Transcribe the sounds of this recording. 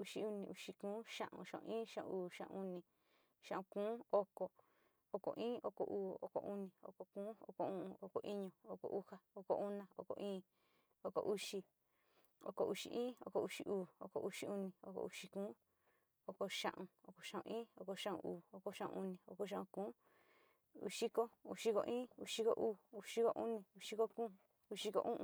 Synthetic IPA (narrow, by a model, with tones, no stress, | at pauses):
u˧ʃi˧u˧nĩ˧u˧ʃi˧kũː˦ʃã̰˦˧ʔṵ̃˧˨ʃã˧˨ṵ̃˧ĩː˦ʃã˦ʔṵ̃˧uː˨ʃã̰˦ʔu˧nĩ˧ | ʃã˦ʔũ˧kũː˦o˦ko˨ | o˧ko̰˨ʔĩː˦ʔo˧ko˨ʔuː˦˨o˧˨ko̰˨ʔu˦nĩ˧˨o̰˧ko˨kũː˦o̰˧ko˧ũ˦ũ˧o˧ko˨ʔi˦ɲõ˧˨o˧˨ko̰˨ʔu˦ha˧o˧ko̰˨ʔu˦nã˧o̰˧ko̰˧˨ʔĩː˦ | o˧ko̰˨ʔu˦ʃi˧ | o̰˧ko˨ʔu˧ʂi˧˨ʔĩː˦o̰˧ko˧u˧ʃi˧ʔuː˨o̰˧˨ko̰˨ʔu˧ʃi˧u˦nĩ˧o̰˧ko̰˧ʔu˧ʃi˧kũː˦ | o˧ko˧ʃã̰˦ʔũ˧o˧ko˨ʃã˦ʔṵ̃˧ĩː˦o˧ko˧ʃã˦ʔṵ̃˧ʔuː˨o˧ko˧ʃã˦ʔṵ̃˧u˧nĩ˨o˧ko˧ʃ̬ã˦ũ˧kũː˦ | ṵ˧˨ʃi˦ko˦u˧ʃi˧ko̰˧ʔĩː˦u˧ʃi˦ko˦ʔuː˦˨u˧ʃi˦ko˦ʔu˦nĩ˧u˧ʃi˧ko˦kũː˦ | u˧ʃi˧ko̰˧ʔũ˦ʔ